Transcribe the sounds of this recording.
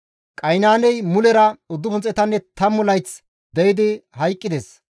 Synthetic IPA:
kʼɐjnaːnɛjmʊlɛɾɐʊd̪ːʊpʊnt͡sʼɛt̪ɐnːɛt̪ɐmɔlɐjt͡s | d̪ɛjɪd̪ɪhɐjkʼːɪd̪ɛs

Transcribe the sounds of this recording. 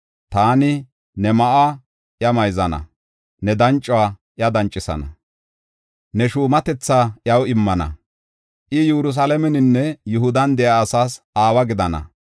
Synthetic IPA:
t̪aːnɪ | nɛmɐʔa | ʔjɐmɐjzɐnɐ̰ | nɛd̪ɐnt͡ʃʼːʊwaːʔjɐd̪ɐnt͡ʃʼːɪsɐ̰nɐ̰ | nɛʃuːmɐt̪ɛt͡sːaːʔjɐwɪmːɐnɐ̰ | ʔɪjuɾʊs̬alɐmɛnɪnːɛjʊɦʊd̪ɐnd̪ɛjaːsaːs | aːwɐɡɪd̪ɐnɐ̰

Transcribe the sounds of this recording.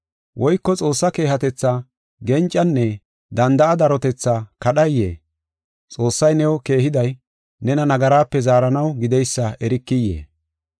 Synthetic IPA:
wʔɔjkːɔt͡sʼo̞ːsːɐke̞ːhɐt̪ɛt͡sːa | ɡɛnt͡ʃʼːɐnːɛ | d̪ɐnd̪ɐʔɐd̪ɐɾɔt̪ɛt͡sːakɐɗɐjːḛː | t͡sʼo̞ːsːɐjnɛwɔke̞ːhɪd̪ɐj | nɛnɐnɐɡɐɾaːpːɛzaːɾɐnɐwɡɪd̪ɛjsːɐʔɛɾɪkːɪjːḛː

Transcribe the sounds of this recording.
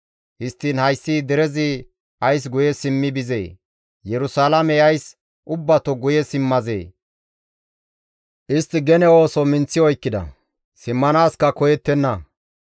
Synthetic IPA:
hɪst̪ːiːnhɐjsːiːd̪ɛɾɛzɪ | ʔɐjs̬ɡʊjɛsɪmːɪbɪzḛː | jɛɾʊsaːlɐmɛɐjs | ʔʊbːɐt̪ɔɡʊjɛsɪmːɐzḛː | ʔɪst̪ːɪɡɛnɛo̞ːsɔmɪnt͡sːɪɔjkːɪd̪ɐ̰ | sɪmːɐnaːskɐkɔjɛt̪ːɛnːɐ

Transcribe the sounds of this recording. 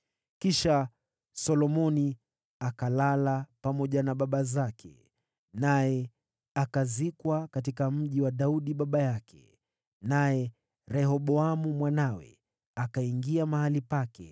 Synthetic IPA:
kiʃa | sɔlɔmɔni | akalalapamɔʄanaɓaɓazakʰɛ̰ | najɛ | akazikwakatikam̩ʄiwaɗauɗiɓaɓajakʰɛ̥ | najɛ | ɾɛhɔɓɔamumwanawɛ̰ | akaiŋɡiamahalipakɛ̰

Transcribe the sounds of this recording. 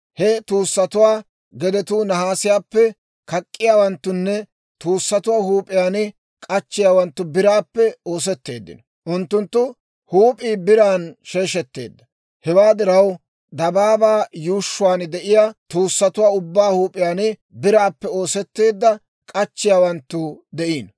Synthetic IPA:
hɛt̪uːsːɐt̪ʊwaː | ɡɛd̪ɛt̪uːnɐɦaːsɪjaːpːɛ | kɐkʼːɪjaːwɐnt̪ːʊnːɛ | t̪uːsːɐt̪ʊwaːhuːpʼɪjaːnɪ | kʼɐt͡ʃːɪjaːwɐnt̪ːʊbɪɾaːpːɛo̞ːs̬ɛt̪ːe̞ːd̪ːɪ̰nɔ | ʔʊnt̪ːʊnt̪ːʊ | huːpʼiːbɪɾaːnʃeːʃɛt̪ːe̞̰ːd̪ːɐ | hɛwaːd̪ɪɾɐw | d̪ɐbaːbaːjuːʃːʊwaːnd̪ɛʔɪjaːt̪uːsːɐt̪ʊwaːʊbːaːhuːpʼɪjaːnɪ | bɪɾaːpːɛo̞ːsɛt̪ːe̞ːd̪ːɐ | kʼɐt͡ʃːɪjaːwɐnt̪ːʊd̪ɛʔiːn

